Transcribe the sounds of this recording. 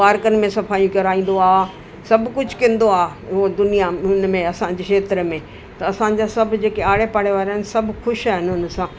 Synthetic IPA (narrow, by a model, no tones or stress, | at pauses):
aːɾkənɪ̆mẽsɐpʰaːjũkɐɾaːĩːn̆d̪oaː | sɐbʱkʊd͡ʑʱkẽn̆d̪oaːɦod̪ʊnijaʊnmẽɐsãɲ̆d͡ʑekʰʃeːt̪ɾəmẽ | t̪ɐɐsãɲ̆d͡ʑasɐbʱd͡ʑeːkeaːɽepaːɽeʋaːɾɦɪnsɐbʱxʊʃaːɦɪnɦʊnsãː